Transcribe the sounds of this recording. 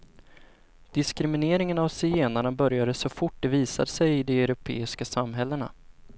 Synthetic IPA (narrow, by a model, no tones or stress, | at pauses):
d̪̥ɪskɾɪmɪneːɾɪŋənavsɪeːnaɳabœɾjad̪əsɔfʊʈ̚ːd̪ɛviːsa̰d̪əsɛjɪd̪ɛœɾʊpʰḛːɪskasamɦɛlːəɳa̰